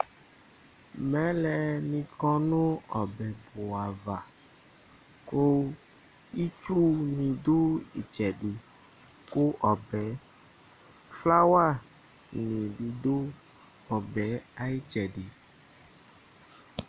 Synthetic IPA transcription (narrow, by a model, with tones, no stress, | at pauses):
mɛ̃˨˦lɛ˨nĩ˨kɔ˦nõ˦ɔ˨bɛ˨bo˨a˨va˨ | ko˦ | i˦t͡ʃu˦nĩ˨d̪o˦i˨t͡ʃɛ˨ɖi˨ | ko˦ʔɔ˨bɛ˨˦ | fla˦wa˦˨ | nĩ˨ɖi˨d̪o˦ | ɔ˨bɛ˨˦a˨ji˦t͡ʃɛ˨ɖi˨